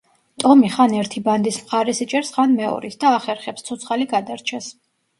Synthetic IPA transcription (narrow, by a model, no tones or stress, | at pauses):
t̪ʼɔmiχanɛɾt̪ʰiband̪ismχaɾɛsit͡ʃʼɛɾsχanmɛɔ̰ɾḭt̪ʰd̪aːχɛɾχɛpst̪sʰɔt̪sʰχaliɡad̪aɾt͡ʃʰɛs